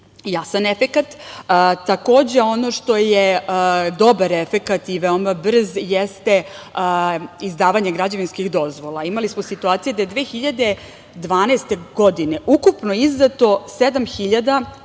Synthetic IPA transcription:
jasanefekat̪ːt̪ako̞ːd͡ʑe̞o̞no̞ʃt̪o̞jed̪o̞baɾefekat̪iʋeomabr̩zjest̪e | izd̪aːʋaɲeɡɾad͡ʑaʋinskiɣd̪o̞zʋo̞lˠaimalismo̞sit̪uaːt̪sijed̪ajed̪ʋeːxiʎad̪e̞ | d̪ʋaːneːst̪e̞ɡo̞d̪ine̞ʔukupno̞iznat̪o̞sed̪amxiʎad̪a

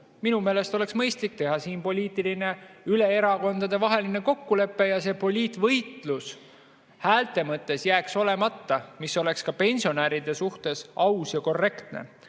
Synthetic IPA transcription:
minume̞ːle̞st̪o̞le̞ksmɤjst̪lik̚t̪e̞ɦɑsiːnpo̞lʲiːt̪ːˑiline̞yle̞eɾɑko̞nd̪̥ɑd̪̥e̞vɑɦe̞line̞ko̞kːule̞pːe̞jɑse̞ːpo̞lʲiːt̪ˑvɤjt̪ˑlus | hæːlt̪ˑe̞mɤt̪ːˑe̞sjæːkso̞le̞mɑt̪ːɑmiso̞le̞kskɑpe̞nʲsio̞næːɾid̪̥e̞suht̪e̞sɑwsjɑko̞rːe̞kt̪nḛ

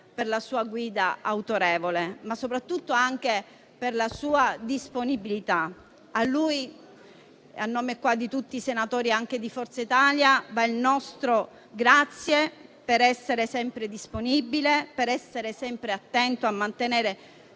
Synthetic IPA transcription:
perlasuːaɡwiːd̪aawt̪oɾɛːvolemasːopɾat̪ːut̪ːoaŋk̟e | perlasuːad̪isponibilit̪a | alːuj | a̰nːoːmekwad̪ːit̪ut̪ːiːsenat̪oːɾiaŋk̟ed̪ifɔrt̪sait̪aːljavailnɔst̪ɾo | ɡɾat̪sːjepeɾɛsːeɾesɛmpɾed̪isponibilepeɾɛsːeɾesɛmpɾeat̪ːɛnt̪oamːant̪eneːɾe

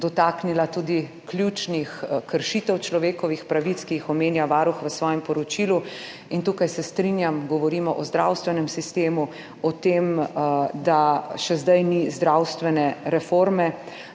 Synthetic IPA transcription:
d̪ɔt̪aknilat̪uːd̪i | klʲjut͡ʃnixkəɾʃit̪ɛwt͡ʃlɔʋeːkɔʋixpɾaʋit̪skijixɔmeːnjaʋaːɾuxʋəsʋɔːjɛmpɔɾɔt͡ʃilu | int̪uːkajsɛst̪ɾinjamɡɔʋɔɾiːmɔʔɔzd̪ɾawst̪ʋɛnɛmsist̪eːmu | ɔt̪emd̪aʃɛzd̪ajnizd̪ɾawst̪ʋɛnɛɾɛfoɾmɛ

